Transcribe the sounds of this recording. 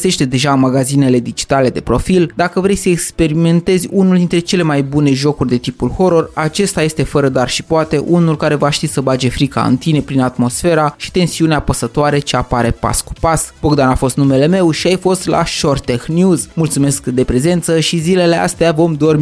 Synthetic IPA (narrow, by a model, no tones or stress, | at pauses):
se̞ʃt̪e̞d̪e̞ʒaɨnmaɡazine̞le̞d̪id͡ʒi̥t̪ale̞d̪e̞pɾo̞fild̪akəvɾe̞jsəekspe̞ɾime̞nt̪e̞zʲunuld̪int̪ɾe̞t͡ʃe̞le̞majbune̞ʒo̞kurʲd̪e̞t̪ipulho̞ɾo̞rat͡ʃe̞st̪aje̞st̪e̞fəɾəd̪arʃipoat̪e̞ʔunulkaɾe̞vaʃt̪isəbad͡ʒe̞fɾika̰ɨ̰nt̪ine̞pɾinat̪mo̞sfe̞ɾaʃi̥t̪e̞nsiuneapəsət̪oaɾe̞t͡ʃeapaɾe̞pa̰sku̥pasb̥oɡd̪anafo̞st̪nume̞le̞me̞wʃiajfo̞st̪la̰ʃort̪exnjuzmult̪sume̞skd̪e̞pɾe̞ze̞nt̪səʃizile̞le̞a̰st̪eavo̞md̪o̞r